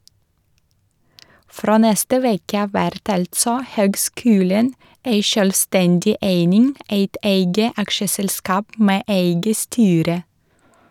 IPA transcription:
ˈfɾoː ˈnɛstə ˈʋeːkə ˈɑːʋ ˈʋæɾt ˈɑltsɔ ˈhøːɡˌskʉːlən ˈeɪ ʃœlˈstɛndɪ ˈʔeɪnɪŋ ˈæɪt ˈeɪɡə ˈɑkʃəsɛlˌskɑːp ˈmeː ˈʔeɪɡə ˈstyːɾə

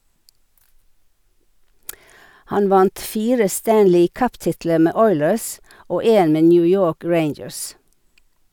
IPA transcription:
ˈhɑn ˈʋɑnt ˈfiːɾə ˈstænlɪ ˈkœpˌtɪtlə ˈmeː ˈɔʏləs ˈoː ˈeːn ˈmeː ˈnjʉː ˈjoːk ˈɹeɪnd͡ʒəɹs

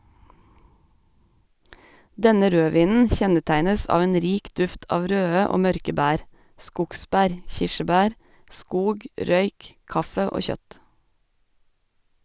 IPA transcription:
ˈdɛnə ˈɾøːˌʋiːnn̩ ˈçɛnəˌtæɪnəs ˈɑːʋ ˈeːn ˈɾiːk ˈdʉft ˈɑːʋ ˈɾøːə ˈoː ˈmœɾkə ˈbæːɾ ˈskʊkˌsbæːɾ ˈçɪʃəˌbæːɾ ˈʔskuːɡ ˈɾœʏk ˈkɑfə ˈoː ˈçœt

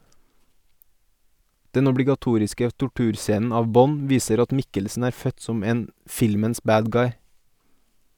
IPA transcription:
ˈdɛn ɔbɽɪɡɑˈtuːɾɪskə tʊˈʈʉːɾˌseːnn̩ ˈɑːʋ ˈbɔn ˈʋiːsəɾ ˈɑt ˈmɪkəlsn̩ ˈæːɾ ˈfœt ˈsɔm ˈeːn ˈfɪlməns ˈbæːd ˈɡɑɪ

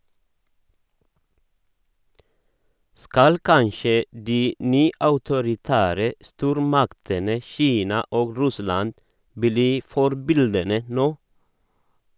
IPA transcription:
ˈskɑl ˈkɑnʃə ˈdiː ˈnyːɑʉtʊɾɪˌtæːɾə ˈstuːɾmɑktənə ˈçiːnɑ ˈoːɡ ˈɾʉslɑnd ˈbliː ˈfɔɾbɪldənə ˈnoː

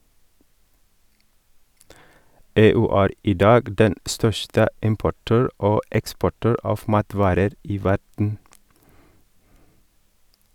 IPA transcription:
ˈeːˌʉː ˈæːɾ ˈiː ˈdɑːɡ ˈdɛn ˈstœʃtə ˈɪmpʊˌʈøːɹ ˈoː ˈɛkspɔˌʈøːɹ ˈɑːf ˈmɑːˌtʋɑːɾəɾ ˈiː ˈʋæɖɳ̩

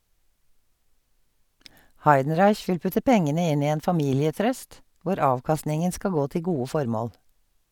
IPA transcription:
ˈhɑɪdn̩ˌɹɑɪç ˈʋɪl ˈpʉtə ˈpɛŋənə ˈɪn ˈiː ˈeːn fɑˈmiːlɪəˌtɾœst ˈʋʊɾ ˈɑːʋˌkɑstnɪŋən ˈskɑl ˈɡoː ˈtɪl ˈɡuːə ˈfɔɾˌmoːl

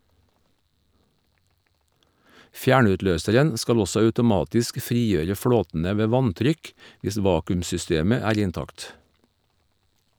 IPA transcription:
ˈfjæːɳʉtˌløːsəɾən ˈskɑl ˈɔsɔ ɑʉtʊˈmɑːtɪsk ˈfɾiːˌjøːɾə ˈfɽoːtn̩ə ˈʋeː ˈʋɑntɾʏk ˈʋɪs ˈʋɑːkʉmsʏˌsteːmə ˈæːɾ ɪnˈtɑkt

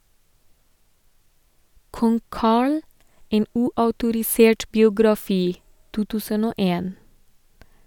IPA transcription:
ˈkɔŋ ˈkɑːɭ ˈeːn ˈʉːɑʉtʊɾɪˌseːʈ bɪʊɡɾɑˈfiː ˈtuː ˈtʉːsən ˈoː ˈeːn

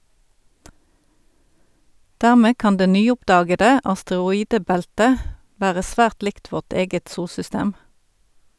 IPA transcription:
ˈdæʁˌmeː ˈkɑn ˈdeː ˈnyːˌʊpˌdɑːɡədə ɑstəʁʊˈiːdəˌbæltə ˈʋæːʁə ˈsʋæːʁt ˈlɪkt ˈʋɔʁt ˈeːɡət ˈsuːlsʏˌsteːm

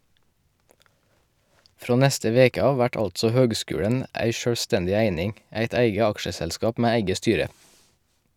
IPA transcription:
ˈfɾoː ˈnɛstə ˈʋeːkə ˈɑːʋ ˈʋæʈ ˈɑltsɔ ˈhøːɡˌskʉːɽən ˈæɪ ʃøːɽˈstɛndɪ ˈæɪnɪŋ ˈæɪt ˈæɪɡə ˈɑkʃəsɛlˌskɑːp ˈmeː ˈæɪɡə ˈstyːɾə

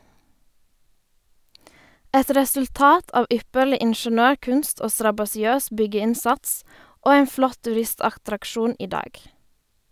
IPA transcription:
ˈɛt ɾɛsʉlˈtɑːt ˈɑːʋ ˈʏpəɭɪ ɪɳʃəˈnøːˌkʉnst ˈoː stɾɑbɑsɪˈøːs ˈbʏɡəˌɪnsɑts ˈoː ˈeːn ˈflɔt tʉˈɾɪstɑxtɾɑkˌʃuːn ˈiː ˈdɑːɡ

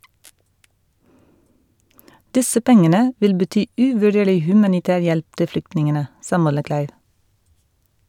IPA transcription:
ˈdɪsə ˈpɛŋənə ˈʋɪl bəˈtyː ˈʉːʋʉˌɖeːɭɪ ˈhʉmɑnɪˌtæːɾ ˈjɛlp ˈtɪ ˈflʏktnɪŋənə ˈsɑː ˈmɔləˌklæɪʋ

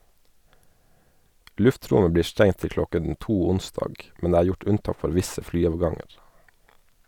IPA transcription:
ˈlʉfˌtɾʊmə ˈbliːɾ ˈstɛŋ ˈtɪl ˈklɔkɛn ˈtuː ˈʊnsdɑːɡ ˈmɛn ˈdeː ˈæːɾ ˈjʊʈ ˈʉnˌtɑːk ˈfɔɾ ˈʋɪsə ˈflyːɑːʋˌɡɑŋəɾ

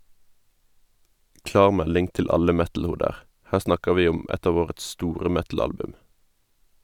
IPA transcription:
ˈklɑːʁ ˈmɛlɪŋ ˈtɪl ˈɑlə ˈmɛtl̩ˌhuːdəʁ ˈhæː ˈsnɑkəʁ ˈʋiː ˈʊm ˈɛt ˈɑːʋ ˈoːʁəts ˈstuːʁə ˈmɛtl̩ˌɑlbʉm

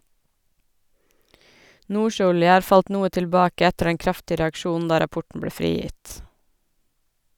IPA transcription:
ˈʔnuːˌʃøːˌɔljə ˈɑːɾ ˈfɑlt ˈnuːə tɪlˈbɑːkə ˈɛtəɾ ˈdɛŋ ˈkɾɑftɪə ɾɛɑkˈʃuːnn̩ ˈdɑː ɾɑˈpɔʈɳ ˈbɭeː ˈfɾiːˌjɪt

